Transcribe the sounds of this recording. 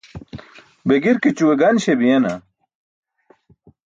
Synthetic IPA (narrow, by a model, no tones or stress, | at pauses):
beɡiɾkit͡ɕuweɡɐnɕebijɐna̰